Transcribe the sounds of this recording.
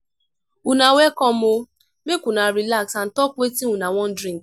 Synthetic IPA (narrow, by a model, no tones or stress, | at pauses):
unawɛkɔmʊ | mekʷunaɾilaksan̩tɔkʷetiũnawɔ̃n̩dɾĩŋk